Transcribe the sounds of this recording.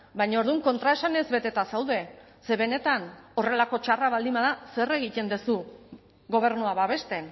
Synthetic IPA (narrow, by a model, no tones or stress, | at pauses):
bajɲaoɾðuŋko̞nt̪ɾae̞sane̞zβe̞t̪e̞t̪asawðe̞ | se̞βe̞ne̞t̪ano̞re̞lako̞t͡ʃaraβald̪imaðase̞re̞ɣit̪e̞nd̪e̞su | ɣo̞β̞e̞ɾnuaβaβe̞st̪e̞n